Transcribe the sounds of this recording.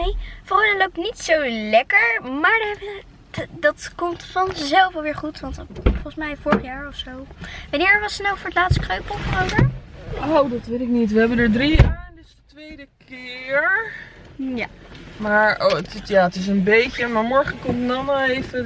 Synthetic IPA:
nejfɔməlowp̚tnitsolɛkəɹmaːɹdəɛbə | dɑtkɔmtfɑnəzɛlˠfɑlˠʋɪːɹχutʋɑntfɔχəsmɛjfɔɹəχjaːɹɔfsowʋɑnɪːɹəʋɑsənowfʊːɹətlaːtstə̥krøɥpəlˠfərowvəɹowdɑtʋɪlɪk̚nitʋəɦɛbəndəɹdrijaːɹɛndəsətʋejdəkʰɪːɹ | jamaːɹətjaətɪs̬ənbejcəmaːɹmɔɹχəkɔmtdɔnaejfə

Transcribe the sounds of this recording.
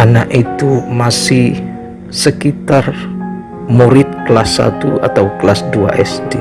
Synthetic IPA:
anaʔit̪umasɪh | səkit̪ar | muɾɪt̪̚kəlasːa̰t̪ua̰t̪awkəlasdua̰ʔɛsde

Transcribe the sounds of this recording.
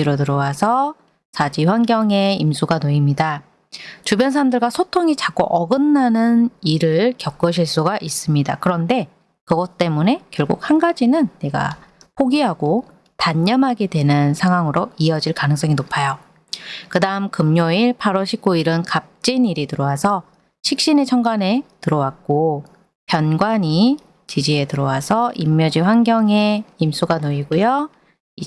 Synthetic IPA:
iɾotɯɾʌwasʰʌ | sad͡ʑiɸwanɡjʌŋe̞imsʰuɡanoimɲida | t͡ɕubjʌnsʰaɾamdɯɭɡwasʰotʰoŋit͡ɕak͈oʔʌɡɯnːanɯniɾɯɭkjʌk͈ɯɕʰiɭs͈uɡaʔis͈ɯmɲida̰kɯɾʌnde̞ | kɯɡʌt͈e̞mune̞kjʌɭɡuk̚hanɡad͡ʑinɯnːe̞ɡa̰ | pʰoɡiɦaɡo | taɲːʌmɦaɡe̞dwe̞nɯnsʰaŋɦwaŋɯɾoiʌd͡ʑiɭkanɯŋs͈ʌŋinopʰajo | kɯdaɯmkɯmɲoiɭpʰaɾoɕʰik̚k͈oiɾɯnkap̚t͡ɕ͈iniɾitɯɾʌwasʰʌ | ɕʰik̚ɕ͈inet͡ɕʰʌŋɡwane̞tɯɾʌwak̚k͈o | pjʌnɡwaɲi | t͡ɕid͡ʑie̞tɯɾʌwasʰʌʔimːjʌd͡ʑiɸwanɡjʌŋe̞imsʰuɡanoiɡojo | i

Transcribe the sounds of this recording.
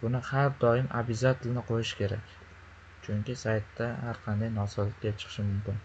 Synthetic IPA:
bʊnɪhaɾd̪ɒɪmʔa̰bɪzat̪ʰɪlnɪqʰojɪʃkʲʰe̞ɾa̰kʲ | t͡ʃʰʊŋʲkʲɪsajt̪ːahaɾqʰɑnd̪ajnɒsɒlɪt̪̚kʲat͡ʃʰɨ̥qʰʃɪmʊmkʲɪn

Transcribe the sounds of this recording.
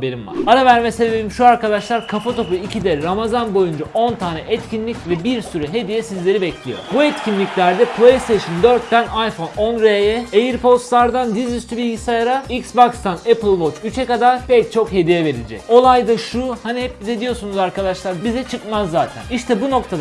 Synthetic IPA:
beɾimva̰ɾaɾavæɾmɛseelʲimʃuaɾkad̪aʃlˠaɾkʰafat̪ʰo̞puicʰid̪ɛɾamazanbo̞jund͡ʒaʔo̞nt̪ʰaːnɛʔɛt̪cʰinlʲicvɛbiɾsyɾɛɦe̞d̪ijɛsizlʲe̞ɾibɛclʲijo̞̰ɾbuɛt̪cʰinlʲicʲlʲæɾd̪ɛpʰlˠejst̪ʰeʃɯnd̪øɾt̪ːænajfo̞no̞nɾeɛejiɾpo̞st̪lˠaɾd̪and̪izyst̪ʰybilʲɟisajaɾaicsbokst̪anɛpɯlˠvo̞t͡ʃyt͡ʃʰɛkad̪aɾpɛc̚t͡ʃʰo̞khe̞d̪ijɛve̞ɾid͡ʒɛ̰co̞lˠajd̪aʃuhanihɛp̚bid̪ɛd̪ijo̞ɾsunuzaɾkad̪aʃlˠaɾbizɛt͡ʃʰɯkmazːaːt̪ʰæ̰niʃt̪ʰɛbuno̞kt̪ʰad̪

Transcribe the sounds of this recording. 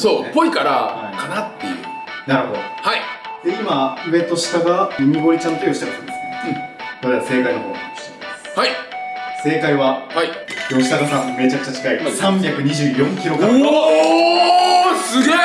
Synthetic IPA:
soːpo̞ikaɾa̰akanat̪ːe̞̰jɯ̟̰naɾɯ̟ho̞d̪haid̪eimaɯ̟e̞t̪o̞ɕi̥t̪aɡaiɲiɡo̞ɾit͡ɕãnt̪ojo̞ɕi̥t̪akasãnd̪esɨkeokoɾease̞ːkaino̞koɾoiɕi̥t̪eimashaise̞ːkaiβahaijo̞ɕi̥t̪aɡasãmme̞t͡ɕakɯ̟̥t͡ɕat͡ɕi̥kaisãmbʲjakɯ̟ɲ̟iʑɨːjõ̞ŋkʲiɾo̞ke | sɨɡe

